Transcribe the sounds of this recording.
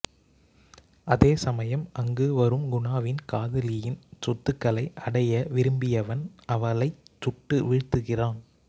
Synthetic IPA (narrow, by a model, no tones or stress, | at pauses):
ʔɐðeːsɐmɐjɐmʔɐŋɡɯʋɐɾɯmɡʊɳaːʋɪnkaːðɐlɪjɪnsɔt̪ːɯkːɐɭɐɪʔɐɽɐjɐʋɪɾɯmbɪjɐʋɐnɐʋɐɭɐɪt͡ʃʊʈːɯʋɪɻt̪ːɯɣɪraːn